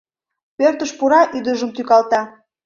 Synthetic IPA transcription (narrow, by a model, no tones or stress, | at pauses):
pørt̪əʃpuɾɑʔyd̪əʒəmt̪ykɑlt̪ɑ